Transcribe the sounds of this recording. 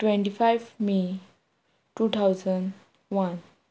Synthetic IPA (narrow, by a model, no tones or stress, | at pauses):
ʈʋẽɳʈifajʋmi | ʈut̪ʰawd͡zəɳɖ | ʋan